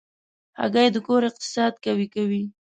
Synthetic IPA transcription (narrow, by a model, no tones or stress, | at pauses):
ha̰ɡajed̪əkoɾɪq̚t̪ɪ̥sɑd̪̚kawikawi